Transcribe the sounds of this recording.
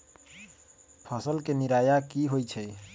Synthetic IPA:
pʰəsəlkeniɾajakiɦojt͡ʃʰɛ

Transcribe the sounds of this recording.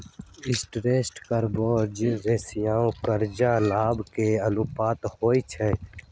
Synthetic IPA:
ɪsʈɾeːsʈkəɾboːɾd͡ʒɾeːsijãːõːkəɾd͡ʒãːlaːbkeːəluːpaːt̪hoːit͡ʃʰeː

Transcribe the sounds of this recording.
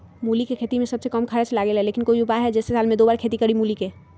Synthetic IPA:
muːlikekʰeːt̪imẽsɐbsekəmkʰəɾət͡ʃlaːɡelɦɛleːkɪnkoiupaɦɛd͡ʒɛːsesaːlmẽd̪oːbaːɾkʰeːt̪ikəɾimuːlike

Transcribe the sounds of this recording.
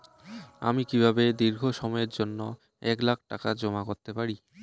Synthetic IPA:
a̰mikibʱabed̪iɾɡʱoʃɔmɔeɾd͡ʑonːo | ɛklak̚ʰʈakad͡ʑɔmakoɾt̪epaɾi

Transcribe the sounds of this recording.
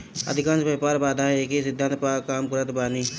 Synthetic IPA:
ə̰d̪ʱɪkãːnsbeːpaːɾbaːd̪ʱaɦeːkisɪd̪ʱːãnt̪paːkaːmkʊɾət̪baːniː

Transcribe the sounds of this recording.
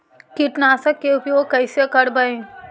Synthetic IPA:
kiʈnaːsɐkːeʊpjoːɡ̚kːɐjsekɐɽbɐẽ

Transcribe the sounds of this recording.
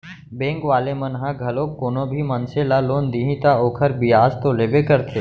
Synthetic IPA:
bẽːŋkʋaːlemənɦãɡʱəlõːkːoːnõbʱiːmənselaːloːnd̪iɦĩt̪aoːkʰəɾbɪjaːzt̪oleːbekəɾt̪ʰeː

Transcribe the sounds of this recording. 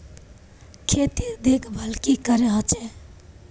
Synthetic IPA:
kʰet̪id̪ekʰbʱəlkikəɾeɦət͡ʃe

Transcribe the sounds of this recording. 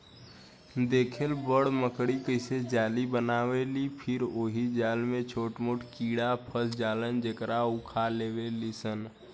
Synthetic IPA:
d̪eːkʰelbəɽməkɽikəɪsed͡ʒaːlibənaːʋelipʰɪɾoːɦid͡ʒaːlmẽt͡ʃʰoːʈmʊʈkiːɽapʰəsd͡ʒaːlənd͡ʒekɾaʊkʰaleːʋelisən

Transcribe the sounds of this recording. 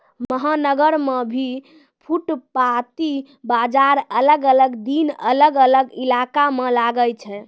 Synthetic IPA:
məɦanəɡəɾmebʱi | pʰuʈpat̪i | bad͡ʒaɾələɡələɡd̪inə̰ləɡələɡilakamelaɡəlt͡ʃʰɛ

